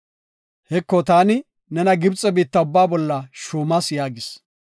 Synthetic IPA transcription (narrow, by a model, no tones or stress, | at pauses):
hɛkːɔt̪aːnɪ | nɛnɐɡɪbt͡sʼɛbiːt̪ːɐʊbːaːbɔlːɐʃuːmɐsjaːɡɪs